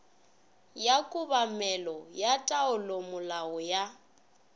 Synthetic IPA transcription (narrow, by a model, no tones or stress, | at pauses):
jakʼʊβamɛlɔjatʼaʊlomʊlaʊja